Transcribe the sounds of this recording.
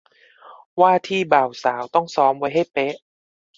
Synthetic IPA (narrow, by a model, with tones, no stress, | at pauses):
waː˥˩t̪ʰiː˥˩baː˨˩wsaː˩˦wt̪ɔ˥˩ŋsɔː˨˦˥mwa˧˦˥jɦa˥˩jpe˦˥ʔ